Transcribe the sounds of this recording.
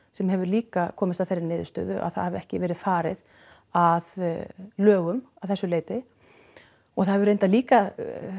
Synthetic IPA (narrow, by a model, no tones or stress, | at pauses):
sɛmhɛvʏɾliːkakʰɔːmɪst̪aðθejɾɪnɪːðʏst̪œ̰ːðʏʔa̰ðθa̰ðhɛvɛhcɪvɛːɾɪðfaːɾɪð | aðlœːɣʏmaθɛsːʏleːjt̪ɪ | ɔɣθaðɛvʏɾejnt̪aliːka